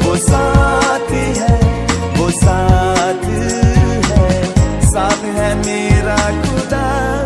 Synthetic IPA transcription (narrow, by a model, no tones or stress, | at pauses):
ʋoːsat̪ʰiɦɛ | ʋosat̪ʰiɦɛsaːt̪ɦɛmeːɾakʊd̪a